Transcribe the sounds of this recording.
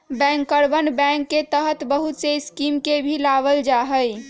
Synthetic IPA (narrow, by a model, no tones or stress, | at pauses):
bɛ̃ŋkːəɾbənbɛ̃ŋkːet̪əɦət̪bəɦut̪seskimkebʱilabəld͡ʒaɦəj